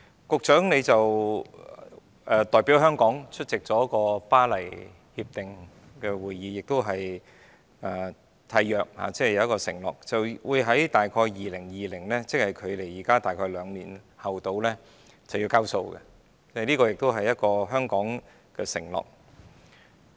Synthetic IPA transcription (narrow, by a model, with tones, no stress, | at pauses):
kʊ˨k̚t͡ʃœː˨˥ŋne˨˧jt͡sɐ˨w | ʔɛ˧t̪ɔː˨˩jpiː˨˥wɦœː˥ŋkɔː˨˥ŋt͡ʃʰɵ˥t̚t͡sɪ˨k̚t͡sɔː˨˥kɔː˧paː˥lɐ˨˩j | hiː˧p̚t̪ɪ˨ŋ | kɛː˧wuː˨˩jːiː˨˧jɪ˨k̚t̪o˥wɦɐ˨j | ɛː˨˩ | t̪ʰaː˧jjœː˨k̚ha̰ː˨˧˩t͡sɛ˥˨jɐ˧wjɐ˥kɔː˧sɪ˨˩ŋlɔ̰˨k̚t͡sɐ˨wwuː˨˧jɦɐ˨˥jt̪aː˨jkʰɔː˧jjiː˨lɪ˨˩ŋjiː˨lɪ˨˩ŋlɛː˥t͡sɪ˥k̚hɐ˨jkʰɵ˨˧ɥle˨˩jiː˨˩kaː˥t̪aː˨jkʰɔː˧jlœː˨˧ŋniː˨˩nhɐ˨wt̪o˧wlɛː˥ | t͡sɐ˨wji˧wkaː˥wso˧wkɛ̰˧ | t͡sɛ˥˨liː˥kɔː˧jɪ˨k̚t̪o˥wɦɐ˨jɐ˥t̚kɔː˧ɦœː˥ŋkɔː˨˥ŋ | kɛ˧sɪ̰˨˩ŋlɔ̰ː˨k̚